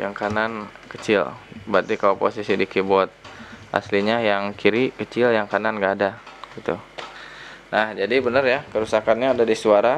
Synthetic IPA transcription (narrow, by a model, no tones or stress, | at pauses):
ja̰ŋkanankət͡ʃɪ̰lbat̪ikalapo̰sisidikibɔt̪̚ʔa̰sliɲajaŋkʰiɾikət͡ʃɪljaŋkananɡaːdaɡ̥it̪ṵ | nahd͡ʒadibənərjakəɾusakanɲaːdadisuaɾa